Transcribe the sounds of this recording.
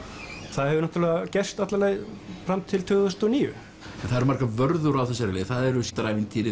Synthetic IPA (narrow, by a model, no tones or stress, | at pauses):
θaðhɛvʏnaht̪ɾlɛɣacɛst̪at̪laleɣfɾamt̪ʰɪlt̪ʰʏːɣðʏst̪ɔniːjʏ̰ | ɛnθaðɛɾmaɾkavœɾðʏɾawθɛsːaɾlɪːθaðɛɾʏst̪ɾaːjvɪnt̪ʰiːɾɪ